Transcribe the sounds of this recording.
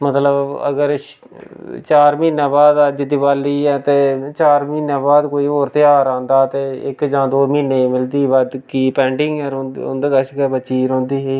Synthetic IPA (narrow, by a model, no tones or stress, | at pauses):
mət̪ləbə̰ɡəɾ | t͡ʃaːɾmiːnːãːbaːd̪əd͡ʒd̪ɪbaːliːɛːt̪eːt͡ʃaːɾmiːnaːbaːd̪koːiːɦoːɾt̪ɪjaːɾãːnd̪aːt̪eːɪkd͡ʒãːd̪oːmiːneːmɪld̪iːbad̪kiːpɛ̃ːɳɖɪŋɡɛɾʊ̰nd̪eːɡəʃkɛːbəːʃiːɾɔ̃ːnd̪iːɦeː